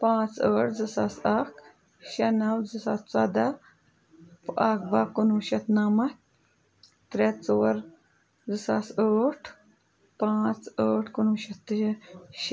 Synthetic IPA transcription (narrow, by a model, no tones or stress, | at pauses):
pãːt͡səːʈʰzɨsaːsaːk | ʃɐnɐwzɨsaːst͡saːd̪a | paːkbaːkunũːʃɐt̪naːmɐ | t̪ɾet͡soːɾ | zɨsaːsəːʈʰ | pãːt͡səːʈʰkunũːʃɐt̪ː | ʃ